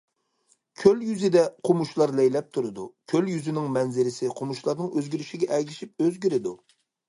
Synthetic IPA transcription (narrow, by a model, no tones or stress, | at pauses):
kʲʰøljyzɪd̪ɛqʰomuʃlˠɑɾlɛjlɛp̚t̪ʰuɾɨd̪ukʲʰøljyzɪnɪŋmɛnzɪɾɪsɪqʰomuʃlˠɑɾnɨŋøzɡʲyɾyʃiɡʲɛʔɛɡʲiʃip̚øzɡʲyɾɪd̪u